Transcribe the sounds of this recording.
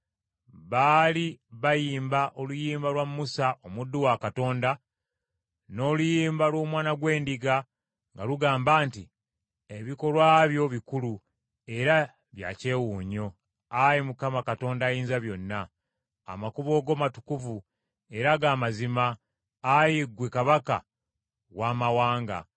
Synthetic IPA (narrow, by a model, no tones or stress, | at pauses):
βaːliβajiːmbaʔo̞lujiːmbalwamːusaʔo̞mudːuwakato̞ːnda | no̞ːlujiːmbalwo̞ːmwaːnaɡwe̞ːndiɡa | ŋɡaluɡaːmbaːnti | eβiko̞lwaːβjo̞βikulu | e̞ɾa | βja̰ce̞ːwuːɲo̞ | ajimukamakato̞ːndaːjiːnzaβjo̞nːa̰ː | makuβo̞ːɡo̞ːmatu̥kuvu | e̞ɾaɡaːmazimaː | jiɡwekaβaka̰ | waːmawaːŋɡa̰